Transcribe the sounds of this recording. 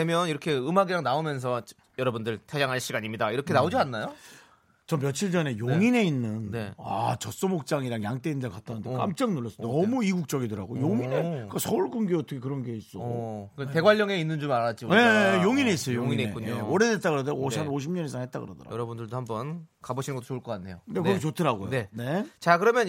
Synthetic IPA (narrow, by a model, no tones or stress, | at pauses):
emjʌniɾʌkʰe̞ɯmaɡiɾaŋnaomjʌns̬ʰʌt͡ɕ | jʌɾʌbundɯɭtʰjʌjaŋɦaɭɕ͈iɡaɲimɲidaiɾʌkʰenaod͡ʑianːajo | t͡ɕʌmp̬jʌt͡ɕʰiɭd͡ʑʌne̞joŋine̞inːɯnnea̰t͡ɕʌs͈omok̚t͡ɕ͈aŋiɾaŋjaŋt͈einndeɭkat̚t͈anɯndekka̰mt͡ɕ͈aŋnuɭːʌs͈ʌnʌmuiɡuk̚t͡ɕ͈ʌɡidɯɾaɡo̰joŋinek͈asʰʌuɭkɯnɡiʌtʰʌkʰeɯɾʌnɡe̞is͈ʌete̞ɡwaʎːʌŋe̞inːɯnd͡ʑomaɾat͡ɕ͈ime̞joŋine̞is͈ʌjojoŋineuɲeoʌɾedet̚t͈aɡɯɾʌdeosʰannoɕʰimɲʌnesʰaŋɦhet̚t͈a̰ɡɯ̰ɾʌ̰dʌ̰ɾa̰jʌɾʌbundɯɭdohambʌnkaboɕʰinɯnɡʌt͈ʰːo̥ouɭk͈ʌk͈anʰːe̞jonekɯɾokeotʰɯɾaɡojoene̞t͡ɕakɯɾʌmjʌn